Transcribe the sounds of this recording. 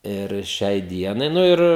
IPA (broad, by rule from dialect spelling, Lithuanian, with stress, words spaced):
ɪr ˈʃʲɛɪ ˈdʲiɛnɐɪ ˈnʊ ɪr